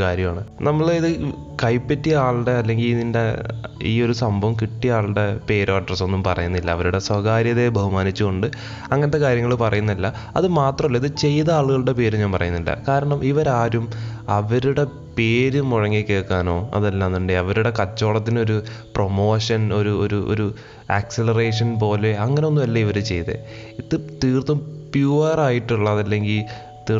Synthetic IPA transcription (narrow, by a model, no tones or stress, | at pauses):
kaːɾjɐmaːɳɨnɐmːɐɭiðɨ | kɐjpːɐtːijaːɭɽeɐlːe̞ŋɡiliðinde̞iːo̞ɾusɐmbʱɐʋɐmkiʈːijaːɭɽe̞pe̞ːɾoɐɖrɐso̞nːumpɐrɐ̰junːilːɐːʋɐɾuɽe̞sʋɐɣaːɾjɐðe̞bʱɐhumaːnit͡ɕːuɣoɳɖɨ | ɐŋːɐnɐt̪ːekaːɾjɐŋːɐɭupɐrɐjunːilːɐ | ɐðɨmaːt̪rɐmilːɐiðɨt͡ɕe̞jðɐaːɭuɣɐɭɨɽe̞pe̞ːɾumɲaːnpɐrʔɐ̰junːilːɐ̰kaːɾɐɳɐmiʋɐɾaːɾumɐʋɐɾuɽe̞ | pe̞ːɾumoɻɐŋːikʲːeːɭkːaːno̞ːɐ̰ðɐlːaːnːuɳɖɨɐʋɐɾuɽe̞kɐt͡ɕːo̞ːɭɐt̪ːino̞ɾu | promo̞ːʂɐno̞ɾuo̰ɾuʔo̰ɾu | ɐkselɐreːʂɐnp̬o̞ːle̞ɐŋːɐneonːumɐlːɐiʋɐɾut͡ɕe̞jðḛ | it̪ːɨt̪iːrt̪umpjuːɐraːjiʈːuɭːɐðɐlːe̞ŋɡil | t̪iː